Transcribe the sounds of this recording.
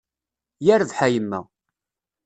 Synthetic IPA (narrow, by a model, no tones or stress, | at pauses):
jæɾəvħæjəmːæ̰